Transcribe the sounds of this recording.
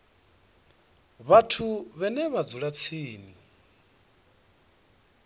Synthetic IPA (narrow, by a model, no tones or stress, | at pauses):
βatʰuβɛnɛβad͡zuɺat͡sʰiːni